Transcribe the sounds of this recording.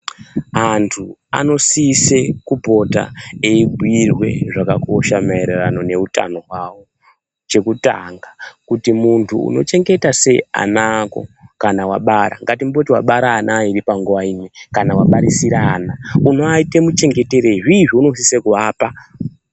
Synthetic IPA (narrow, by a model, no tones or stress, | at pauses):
antʰua̰no̞siːse̞kubʱo̞ta̰eiɡʱuirwe̞̰ʐakako̞ʃamaeɾerano̞ne̞uta̰no̞ɦwawo̞ | t͡ʃe̞kuta̰ŋɡakutimuntʰṵːno̞̰t͡ʃe̞ŋɡe̞tase̞a̰nako̞̰kanawaɓaɾa̰ŋɡatimubotiwa̰ɓaɾaːnʔaːiɾipaŋɡuʋainwe̞kanawaɓaɾisiɾaːnauno̞aite̞mut͡ʃe̞ŋɡe̞te̞ɾeiʐiːʐiuno̞s̬isekuaːpa